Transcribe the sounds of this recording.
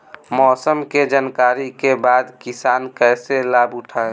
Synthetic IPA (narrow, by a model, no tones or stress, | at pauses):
mɔːsəmked͡ʒənkaːɾikebaːd̪kɪsaːnkɛɪselaːbʊʈʰaːe